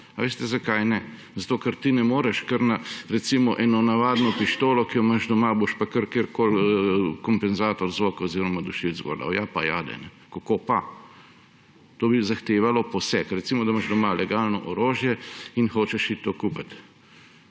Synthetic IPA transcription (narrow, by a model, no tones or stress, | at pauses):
aʋeːst̪ɛzakajnɛ | zat̪oːkɐɾt̪inɛmoːɾɛʃkəɾnaɾɛt̪simɔʔɛnɔnaʋaːd̪nɔpiʃt̪oːlɔkijɔmaʒd̪ɔmaboʃpakəɾkeɾkoːlkɔmpɛnzaːt̪ɔɾzokaoziɾɔmad̪uʃizɡo̰d̪a̰wjapaja̰d̪ɛ̰nɛ | kokopa | t̪oːbizaxt̪eːʋalɔpɔsɛkɾɛt̪simɔd̪amaʒd̪ɔmalɛɡaːlnɔʔɔɾoːʒjɛinxoːt͡ʃɛʃit̪ːokuːpat̪